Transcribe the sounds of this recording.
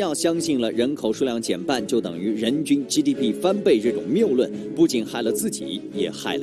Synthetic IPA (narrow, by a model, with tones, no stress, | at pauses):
jɑ˥˩ʊɕjɑ˥ŋɕi˥˩nlə˩ɻə˧˥nkʰo˨˩ʊʂu˥˧ljɑ˥˩ŋt͡ɕjɛ˨˩npa˥˧nt͡ɕjo˥˩ʊt̪ɤ̰˨˩ŋy˧˥ɻə˧˥nt͡ɕy˥nʈ͡ʂi˥t̪i˥pʰi˥˩fa˥npe˥˧ɪʈ͡ʂɤ˥˩ʈ͡ʂʊ̰˨˩ŋmjo˥˧ʊlwə˥˩npu˥˩t͡ɕi˨˩nxa˥˩ɪlə˩t͡sɹ̩˥˩t͡ɕḭ˨˩˦jɛ̰˨˩xa˥˩ɪlə˧